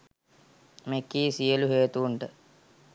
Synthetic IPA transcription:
mekːiːsijəluɦeːt̪uːɳʈə

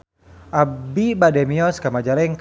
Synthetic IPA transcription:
ʔabibadɛmiɔskamad͡ʒalɛŋk

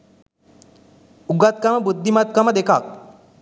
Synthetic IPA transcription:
uɡat̪̚kamabud̪ʱːimat̪̚kamad̪ekʰak̚

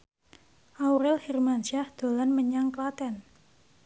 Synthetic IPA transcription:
ʔawɾɛlhirmansahd̪̥o̤lanməɲaŋklat̪ɛn

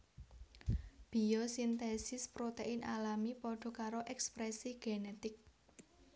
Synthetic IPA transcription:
b̥i̤josint̪esɪspɾot̪eɪnʔa̰lamipɔɖ̥ɔ̤kaɾoʔɛkspɾɛsiɡ̥enet̪ɪk̚

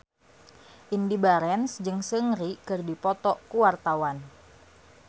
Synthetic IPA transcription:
ʔindibaɾɛnsd͡ʒɨŋsəŋɾikɨrdipɔt̪ɔkuwart̪awan

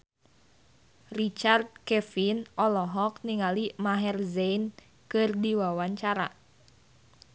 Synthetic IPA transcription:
rit͡ʃard̪̚kɛfinɔlɔɦɔk̚niŋalimaɦɛrzɛjn | kɨrdiwawaɲt͡ʃaɾa̰

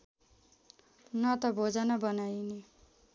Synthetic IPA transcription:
nʌt̪ʌbʱod͡zanʌbʌnajne

